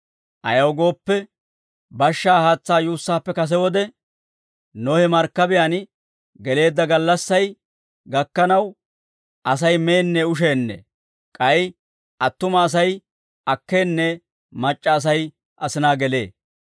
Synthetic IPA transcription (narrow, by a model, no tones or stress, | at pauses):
ʔɐjɐwɡo̞ːpːɛ | bɐʃːaːhaːt͡sːaːjuːsːaːpːɛkɐs̬ɛwɔd̪ɛ | noːhɛmɐɾkːɐbɪjan | ɡɛle̞ːd̪ːɐɡɐlːɐsːɐj | ɡɐkːɐnɐw | ɐsɐjme̞ːnːɛʊʃ̬eːnːɛ̰ | kʼɐj | ʔɐt̪ːʊmɐːs̬ɐj | ʔɐkːe̞ːnːɛ | mɐt͡ʃʼːɐːs̬ɐj | ʔɐsɪnaːɡɛle̞ː